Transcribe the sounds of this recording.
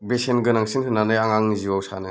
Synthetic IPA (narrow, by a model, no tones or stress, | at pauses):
besenɡɯnaŋsinhɯnanɯjaŋaŋniziwawsa̰nɯ